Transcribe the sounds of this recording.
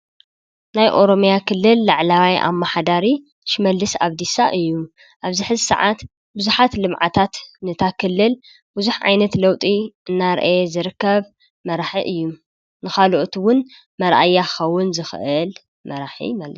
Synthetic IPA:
najʔo̞ɾo̞mjakʰɨlːɨlːaʕlawajʔa̰mːaħad̪aɾi | ʃmɐlːɨsaβd̪isaʔɨjːu | ʔaβzɨħɨzsɐ̰ʕat̪ | bɨzuħat̪lɨmʕat̪ʰat̪nɨt̪ʰakʰɨlːɨl | buzuħʕa̰jnɐt̪lɐwt̪ʼiʔɨnːaɾʔjezɨɾɨkːɐβ | mɐɾaħiʔɨjːu | nɨxaloʔt̪ʰwʊn | mɐɾʔa̰jːaɨ̥xɐwːʊnzɨxʔɨl | mɐɾaħḭmal

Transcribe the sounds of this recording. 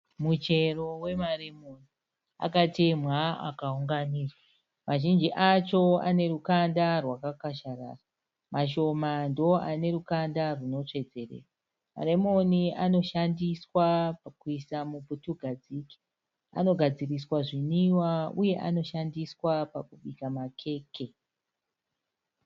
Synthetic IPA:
mut͡ʃe̞ro̞we̞maremoni | a̰katemaa̰kauŋɡaniːrwa | mʔaʒind͡ʒiʔat͡ʃo̞a̰ne̞ɾukandarwakakaʃaɾa̰ra | maʃ̬o̞mandoʔane̞ɾukandaruno̞t͡ʂe̞d͡ze̞rḛːra | ma̰remo̞niano̞ʃandiswapakuisamuputuɡʱad͡ziki̥ | a̰no̞ɡʱad͡ziriswaʐiniwauje̞ʔano̞ʃandiswapakuɓikamakʰe̞ːke̞

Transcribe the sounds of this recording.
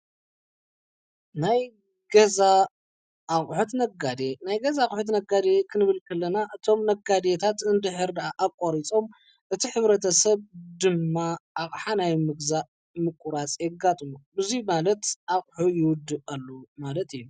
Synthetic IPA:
naj | ɡɐza | ʔːχʼħut̪nɐɡad̪enajɡɐzaχʼħut̪nɐɡad̪ekʰɨnɨβɨlkʰɐlːɐnaʔɨt̪ʰo̞mnɐɡad̪et̪ʰat̪ɨnd̪ɨħɨɾd̪ɐʔaʔaβkʼoɾit͡sʼo̞m | ʔɨt̪ʰiħɨβɾɐt̪ʰɐsɐβd̪ɨmːaʔːχʼħanajmɨɡza | mɨkʷʼːuɾat͡sʼjɛɡat̪ʼɨmubɨzimalɐt̪ʔaχʼħujɪwʊd̪ːɨɐlːumalɐt̪ɨjːu

